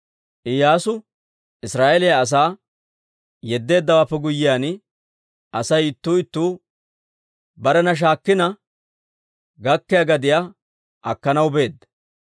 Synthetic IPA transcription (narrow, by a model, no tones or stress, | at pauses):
ʔɪjaːsʊ | ɪsɾaːʔɛlɪjaɐs̬aː | jɛd̪ːe̞ːd̪ːɐwaːpːɛɡʊjːɪjaːn | ʔɐsɐjɪt̪ːuːɪt̪ːuː | bɐɾɛnɐʃ̬aːkːɪnɐ | ɡɐkːɪjɐɡɐd̪ɪja | ʔɐkːɐnɐwbe̞ːd̪ːɐ